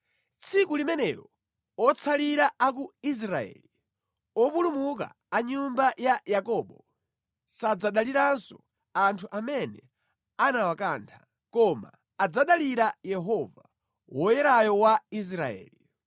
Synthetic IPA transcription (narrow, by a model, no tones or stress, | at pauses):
t͡sʰikulimɛnɛɾɔ | ɔt͡sʰaliɾaak̬uis̬ɾaɛ̰li | ɔpulumuk̬a̰ːɲumbajajakɔɓɔ | sad͡zaɗaliɾansɔ | antʰuʔamɛnɛ | anawakaːntʰḁ | kɔma̰ː | d͡zaɗaliɾajɛɦɔva | wɔjɛɾajɔwais̬ɾaɛ̰ːli